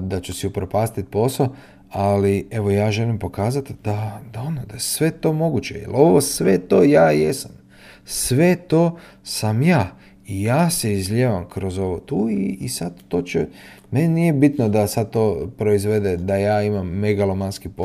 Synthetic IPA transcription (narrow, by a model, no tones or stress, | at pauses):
d̪at͡ʃusiupɾopaːst̪it̪̚po̞so | alie̞ʋo̞jaːʒe̞limpo̞kaːzat̪d̪̥ad̪aonod̪ajesʋe̞t̪o̞ːmo̞ɡut͡ɕe̞̰jḛlo̞ʋo̞sʋe̞t̪o̞ːjaːjesam | sʋe̞t̪o̞ː | samjaː | ijaːse̞izʎʲeʋamkɾo̞zo̞ʋo̞t̪uːiːsad̪t̪o̞ːt͡ʃe | menenije̞bit̪nod̪asad̪̚t̪o̞ːpɾo̞izʋe̞d̪ed̪ajaːimamːeɡalˠomanskipo